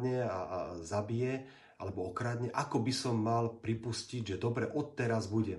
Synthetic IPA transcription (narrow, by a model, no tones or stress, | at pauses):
ɲɛazabijɛ | alɛbɔɔkɾad̪ɲɛʔakɔbisɔmːalpɾipusciɟʒɛd̪ɔbɾɛʔɔt̪ːɛɾazbuɟɛ